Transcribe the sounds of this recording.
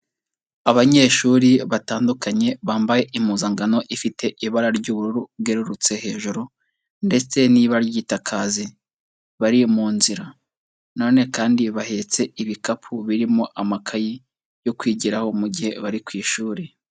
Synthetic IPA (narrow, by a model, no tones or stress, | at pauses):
aβaɲe̞ʃuːɾiβataːndukaɲe̞βaːmbaje̞ʔimuːzaŋɡano̞ʔifitʰe̞ʔiβaɾaɾɟuβuɾuɾuβɡe̞ɾuɾut͡se̞he̞ːʒuɾo | nde̞t͡se̞niːβaɾaɾjiːtakʰaːzi | βaɾimuːnziɾa | no̞ːne̞kaːndiβahe̞t͡se̞iβikapʰuβiɾimo̞ʔamakʰaji | jo̞kwiːɟiɾaho̞muɟihe̞βaɾikwiːʃuːɾe